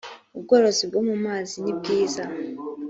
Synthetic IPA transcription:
uβuɡoɾosibɡomumaːzinib̚ɡiːza

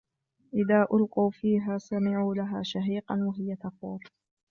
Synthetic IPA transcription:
ʔɪðaːʔʊlquːfiːɦaːsamɪʕuːlaɦaːʃaɦiːqɑnwaɦɪjat̪ɑquːf

